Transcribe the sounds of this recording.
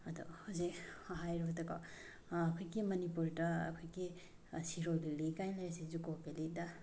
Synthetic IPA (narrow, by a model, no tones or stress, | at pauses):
ɐdɔ̰hozikaɦajɾɔtɐɡa̰ː | kʰojɡimɐnipuɾdɐ̰ːkʰojɡi | siɾojlilikajnlajɾasizukopelida